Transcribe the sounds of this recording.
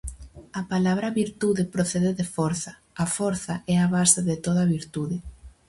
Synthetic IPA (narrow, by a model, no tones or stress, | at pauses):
ɐpalaβɾɐβiɾt̪uðɪpɾoθɛðeðɪfoɾθɐː | foɾθɐʔɛaβasɪðɪt̪oð̞ɐβiɾt̪uðɪ